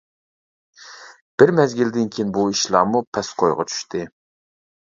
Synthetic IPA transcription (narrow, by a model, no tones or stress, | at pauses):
b̥ɪɾmɛzɡʲild̪ɪnkʲʰiinbuiʃlˠɑ̰ːmupʰɛsqʰojʁɑ̰t͡ʃʰy̥ʃt̪ʰɪ